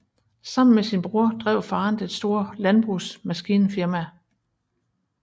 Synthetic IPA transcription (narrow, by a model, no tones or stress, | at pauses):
sɑ̈m̰n̩mesinb̥ʁuɐ̰d̥ʁɛ̰ʊ̰fɑ̈ːnd̥ensd̥o̝ːɐ̰lænb̥ʁusmæsɡ̥iːnəfiɐmæ